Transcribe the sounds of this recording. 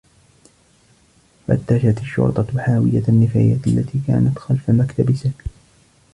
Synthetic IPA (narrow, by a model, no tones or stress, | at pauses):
fa̰t̪ːaʃat̪aʃːʊ̰ɾt̪ˤɑwħaːwɪjaanːɪfaːjaːt̪ʔalːat̪iːka̰ːnat̪xalfamakt̪abɪsa